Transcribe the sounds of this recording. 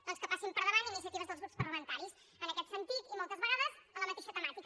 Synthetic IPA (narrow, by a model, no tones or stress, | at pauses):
əlˠskəpasimpəɾðəβaninis̬iət̪iβəzðəlzɣɾupspərləmənt̪aɾis | ənəkɛt̪sənt̪it̪imɔlˠt̪əzβəɣaðəzələmət̪eʃət̪əmat̪ik